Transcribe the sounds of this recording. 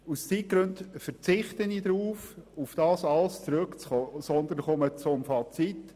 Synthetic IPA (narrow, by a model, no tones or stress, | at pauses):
ust͡sit̚ɡ̥ɾɵntfəɾt͡sɪχtənidɾuːfufd̥ɑːsɑlst͡sɾøkt͡sχoːsɔnd̪ən̩χɔmət͡sʊmfɑt͡sit